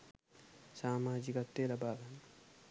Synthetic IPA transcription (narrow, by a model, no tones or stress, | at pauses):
saːmaːd͡ʒikɐt̪ːeːlɐbaːbɐn